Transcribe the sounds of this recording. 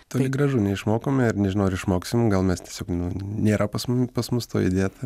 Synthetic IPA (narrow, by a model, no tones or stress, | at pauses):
t̪oːlʲɪɡɾɐʒunʲɛɪʃmoːkoːmʲɪrnʲɛʒʲɪnɐʊɪɾɪʃmoːkstʲɪmʊɡɐlˠmʲɛst̪ʲiɛsʲoːknʊnʲeːɾɐpɐsmʊmʲpɐsmʊst̪o̰ːjɪ̰d̪ʲeːt̪ɐ